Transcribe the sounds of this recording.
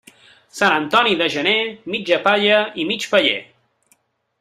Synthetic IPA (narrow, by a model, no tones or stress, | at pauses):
sanənt̪ɔniðəʒənemid͡ʒəpaʎəimit͡ʃpəʎḛ